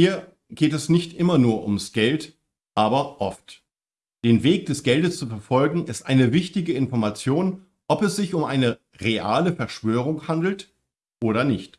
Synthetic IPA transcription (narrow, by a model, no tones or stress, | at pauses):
hiːɐ | ɡ̥eːtɛsnɪçtʔɪmɐnuːɐʔʊ̰msɡ̥ɛlt | ʔaːbɐʔɔft | d̥eːnveːk̚d̥ɛsɡ̥ɛldəst͡sufɛɐfɔlɡŋ̩ɪstʔa̰ɪnəvɪçtɪɡəɪnfɔɐmat͡sjoːn | ʔɔpɛsz̥ɪçʊmʔaɪnə | ʁeʔa̰ːləfɛɐʃv̥øːʁ̞ʊŋhandl̩t | ʔoːɾɐnɪçt